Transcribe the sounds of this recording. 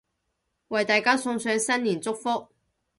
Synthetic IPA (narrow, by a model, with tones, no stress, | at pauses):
wɐ˨jt̪aː˨jkaː˥sʊ˧ŋsœː˨˧ŋsɐ˥nliː˨˩nt͡sʊ˥k̚fʊ˥k̚